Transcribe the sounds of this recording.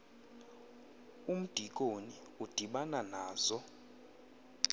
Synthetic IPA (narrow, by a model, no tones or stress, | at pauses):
um̩d̥ʱik̬ʼoni | ud̥ʱiɓananaːz̥ɔ